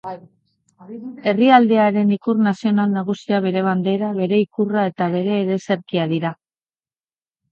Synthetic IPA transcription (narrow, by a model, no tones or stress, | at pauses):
e̞riald̪e̞aɾe̞nikurnasio̞nalnaɣ̞usiaβ̞e̞ɾe̞β̞and̪e̞ɾaβe̞ɾe̞ikurae̞t̪aβ̞e̞ɾe̞ːɾe̞se̞ɾkiaðiɾa